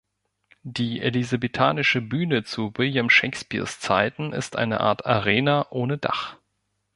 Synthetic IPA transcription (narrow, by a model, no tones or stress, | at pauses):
d̥iːʔḛlizabetʰaːnɪʃəbyːnət͡suvɪljamʃeɪkspḭːɐst͡saɪtn̩ʔɪ̰stʔa̰ɪnə̰ʔa̰ːɐtaʁeːnaʔoːnəda̰χ